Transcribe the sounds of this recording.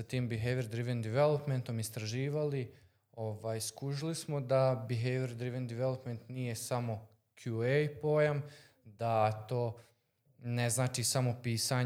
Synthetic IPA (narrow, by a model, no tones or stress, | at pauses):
sat̪iːmbiɦeʋeɾd̪ɾiʋend̪iʋelˠopment̪o̞mist̪ɾaʒiːʋali | o̞ʋaːjskuʒilismo̞d̪abiɦeʋeɾd̪ɾiʋend̪iʋelˠopme̞nt̪nije̞samo̞ | kʰjuejpo̞jam | d̪at̪o̞ː | neznaːt͡ʃiːsamo̞piːsaɲ